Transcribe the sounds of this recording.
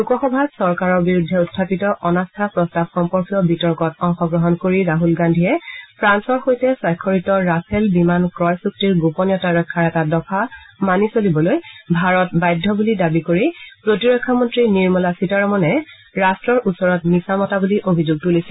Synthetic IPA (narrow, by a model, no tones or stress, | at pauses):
lukɔxɔbʱasɔɹkaɹɔɹbiɹudʱːɛutʰːapitɔʔɔnastʰapɹɔstabxɔmpɔɹkijɔbitɔɹkɔtɔŋxɔɡɹɔɦɔnkoɹiɹaɦulɡandʱijɛpʰɹansɔɹxojtɛsajkʰːoɹitɔɹapʰɛlbimankɹɔjsuk̚tiɹɡopɔnjɔtaɹɔkʰːaɹɛtadɔkamanisolibɔlojbʱaɹɔtbajdʱːɔbulidabikoɹipɹotiɹɔkʰːamɔntɹiniɹmɔlasitaɹɔmɔnɛ | ɹastɹɔɹʔusɔɹɔtmisamɔtabuliʔobʱizuɡ̚tulisil